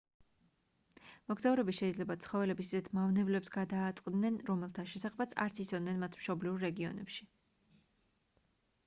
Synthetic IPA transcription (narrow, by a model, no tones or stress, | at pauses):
mɔɡzauɾɛbiʃɛid̪zlɛbat̪sʰχɔvɛlɛbisizɛt̪ʰmavnɛvlɛpsɡad̪aːt̪sʼqʼd̪nɛnɾɔmɛlˠt̪ʰaʃɛsaχɛbat̪sʰa̰ɾt̪sʰisɔvd̪nɛnmat̪ʰmʃɔbliuɾːɛɡiɔ̰nɛ̰pʃi̥